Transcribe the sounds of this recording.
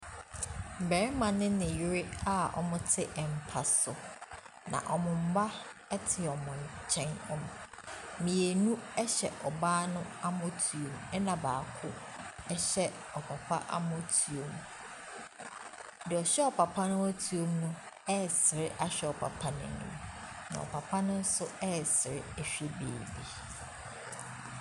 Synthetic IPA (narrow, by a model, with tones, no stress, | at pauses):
m̩˨bɛ˨ɾɪ˦mã˨nɪ̃˦nɪ̃˨ji˦ɾɪ˦a˦ɔ̰˨mʊ̃˦tʰɪ˦ʔɛ˨m̩˨pʰa˨sʊ˨ | nã̰˨ʔɔ˨mʊ̃˨m̩˦ba˦ | ɛ˦tʰɪ˨ɔ˨mɔ̃˨n˨t͡ɕʰɛ̃˦nɔ̃˦m | mĩ˨e˨nũ˦ɛ˦ɕɛ˨ʔɔ˨baː˦nʊ̃˦a˦mʊ̃˦tʰu˨o˨mɛ˦nã˨ba̰ː˨kʰʊ˦ | ɛ˦ɕɛ˦ | ɔ˨pʰa˨pʰa̰˦ʔa̰˦mʊ̃˦tʰu˨o˨m | dɪ˨ɔ˨ɕɛ˦ɔ˨pʰa˨pʰa˦nʊ̃˦æ˦tʰu˨o˦mnʊ̃˦ | ɛ˦˨sɪ˨ɾɪ˦ʔa˦ɕᶣɛ˦˨ɔ˨pʰa̰˨pʰa˦nɪ̰̃˨nʊ̰̃˦˨m | nã̰˨ɔ̰˨pʰa˨pʰa˦nʊ̃˦n̩˦sʊ˦ɛ˦˨sɪ˨ɾɪ˦ɛ˨ɕᶣe˦bḛː˨bi˨